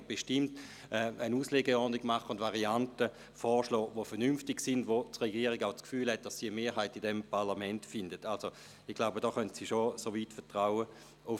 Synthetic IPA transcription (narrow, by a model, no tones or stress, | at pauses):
b̥eʃtɪmt | ɛənuːsleːɡəɔnɪɡmaχəʊndvaʁiantə | fɔːʃlɔːʋofɛɐnymftɪɡksɪndʋot͡sʁɛɡiːʁɪɡaʊt͡skfyːlhɛt̚d̥assiːəmeːɦaɪtɪdɛmpʰaɐlamɛntfɪndətalso | ɪχɡ̥laʊbədɔːχœntsiʃosoviːtfɛɐtʁaʊə | ʊ